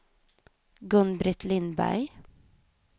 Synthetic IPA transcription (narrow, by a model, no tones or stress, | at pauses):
ɡɵnbɾɪt̪ʰlɪnbæ̰ɪ